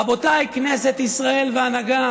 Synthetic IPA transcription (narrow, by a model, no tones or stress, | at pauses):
abo̞t̪ajkne̞set̪isʁae̞lveanaɡa